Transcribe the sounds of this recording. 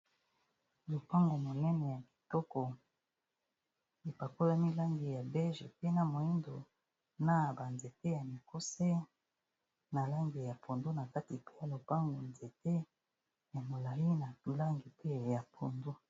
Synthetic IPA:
lo˨pa˦ŋɡo˨mo˨nɛ˦nɛ˨ja˨bi̥˨tɔ˦kɔ˨ | e˨pa˨ko˦la˦mi˦la˦ŋɡe˨ja˨bɛ˦ʒe˨pe˦na˨mo˨i˦ndo˨ | na˦ba˨nze˨te˦ja˨mi˨ko˦se˦ | na˨la˦ŋɡe˨ja˨pʰo˨ndo˦na˨ka˦ti˨pe˦ja˨lo˨pa˦ŋɡo˨nze˨te˦ | ja˨mo˨la˨ji˦na˨tu˨la˦ŋɡi˨pe˦ja˨pʰo˨ndo˦

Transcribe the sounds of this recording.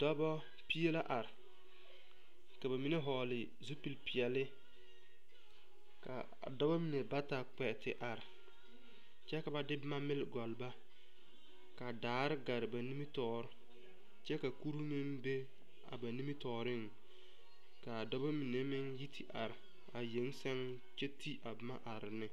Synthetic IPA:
dɔ˦bɔ˦ | pi˦e˦la˦ʔa˨ɾɪ˨ | ka˨ba˨mi˨ne˦ɦɔː˨lɪ˨ | zu˦pi˨lpɪ˨ɛ˨lɪ˦ | ka̰˨ | dɔ˦ba˦mi˨ne˨ba˦ta˨k͡pɛ˨tɪ̰˨ʔa˨ɾɪ˨ | t͡ʃɛ˦ka˨ba˨dɪ˦bma˦mɪ˦lɡɔ˨lba˦ | ka˨daː˨˦ɾɪ˦ɡa˨ɾɪ˨ba˨ni˦mi˦tɔː˦ɾ | t͡ʃɛ˦ka˨ku˦ɾu˦mɪ˦mbe˦ | a̰˨ba˨ni˦mi˦tɔː˨ɾɪ˦˨ŋ | ka˨dɔ˦ba˦mi˨ne˦mɪ˦ŋji˦tʰi˨ʔa˨ɾɪ˨ | a˨je˨˦ŋsɛ˦ŋ | t͡ʃe˦ti˦ʔa˨bɪ˨ma̰˦ʔa˨ɾɪ˨nɪ˨

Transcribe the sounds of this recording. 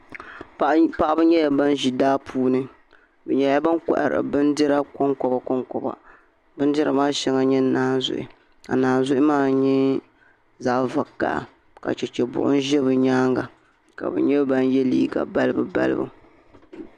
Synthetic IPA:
pa˨ʔa˦bɨ˦ɲɛ˦ja˦ba˦n˦ʒi˨daː˦pʰuː˦nɨ˦ | bɨ˨ɲɛ˦ja˦ba˦ŋkɔ̰˨ʔa̰˨ɾa̰˨bɨ˦ndɨ˦ɾa˦kɔ˦ŋkɔ˨ba˨kɔ˦ŋkɔ˨ba̰˨ | bɨ˦n˦dɨ˦ɾa˨maː˦ʃɛ˦ŋa˨ɲɛ˦naː˦n˦zʊ̰˦˨ʔɪ̰˨ | ka̰˨naː˨n˨zʊ˦ʔɪ˦maː˦˨ɲɛ˦ | zaː˨˦va˨kːa̰˨ | ka̰˨t͡ʃɛ˨t͡ʃɛ˨bʊ̰˨ʔʊ̰˦n̩˦ʒɛ˦bɨ˨ɲaː˦ŋɡa˨ | ka̰˨bɨ̰˨ɲɛ˦ba˦njɛ˦liː˦ɡa̰˨ba˦lɨ˦bɨ˨ba̰˦lɨ̰˦bɨ̰˦

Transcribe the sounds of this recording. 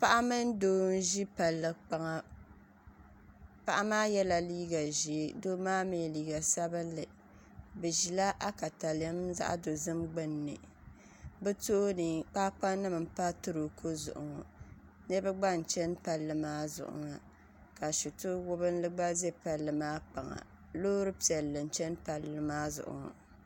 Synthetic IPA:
pa˦ʔa˦mɨ˦n˦doː˦n̩˦ʒi˦pa˨lːɨ˨k͡pa˨ŋa˦ | pa˦ʔa˦maː˦jɛ˦la˨liː˦ɡa˨ʒi˨e˦do˦maː˦me˨liː˨ɡa˨sa˦bɨ˦lːɨ˨ | bɨ˨ʒi˨la˦ʔa˦ka˨ta˨la˦mza̰˦ʔa̰˦do˨zɨ˦mɡ͡bɨ˦nːɨ̰˨ | bɨ˦to˦nɨ˨k͡paː˦k͡pa˦nɨ˦mɨ˨m̩˨˦pa˦tɨ˦ɾo˨kʰo˦zʊ̰˨ʔʊ̰˨ŋɔ˨ | nɛ˦bɨ˦ɡ͡ba˦n̩˨t͡ʃɛ˦npa˦lːɨ˦maː˦zʊ̰˨ʔʊ̰˨ŋa˨ | ka˨ʃu˨tʊ˦wʊ˦bɨ˦n˦lɨ˦ɡ͡ba˦ze˦pa˨lːɨ˨maː˦k͡pa˨ŋa̰˨ | loː˦ɾɨ˦pi˨ɛ˨lːɨ˨n̩˨˦t͡ʃɛ˦npa˨lːɨ˦maː˦zʊ̰˨ʔʊ̰˨ŋa̰˨

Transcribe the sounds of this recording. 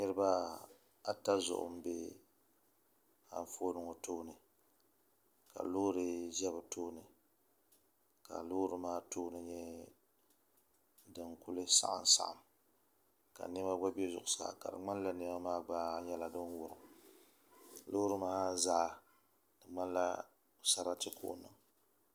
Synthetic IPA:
nɨ˦ɾɨ˦ba˦ | a˨ta˦zʊ̰˨ʔʊ̰˨m˦bḛ˦ | ha̰˦ɱ˦fo˦nɨ˨ŋo˨toː˦nɨ˨ | ka̰˨lo˦ɾɨ˦ʒɛ˦bɨ˨toː˦nɨ˨ | ka̰˨lʊ˦ɾɨ˦maː˦toː˦nɨ˦ɲɛ˦ | dɨ˨ŋku˦lɨ˦sa̰˦ʔa̰˨n˨sa̰˨ʔa̰˨m | ka̰˨nɛ˦ma˦ɡ͡ba˦bɛ˦zʊ˨ʔʊ˨sa̰ː˨ka̰˨dɨ̰˨ŋ͡ma˦n˦la˦nɛ˦ma˦maː˦ɡ͡ba˦ɲɛ˦la˨dɨ˦n˦wʊ˨ɾɨ˨m˨ | lʊ˦ɾɨ˦maː˦zaː˦˨ | dɨ˨ŋ͡ma˦nla˦˨ | sa˦ɾa˦tɨ˦kʰo̰˦ʔnɨ˨ŋ

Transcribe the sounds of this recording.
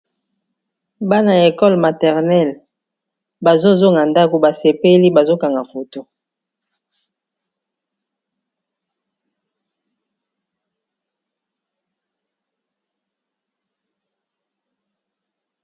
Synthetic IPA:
ba˦na˨je˨kɔ˦lma˨tɛ˨ʁnɛ˦˨l | ba˨zo˦zo˦ŋa˨nda˦ko˨ba˨se˨pe˦li˦ba˨zo˦ka˨ŋɡa˨fo˨to˦

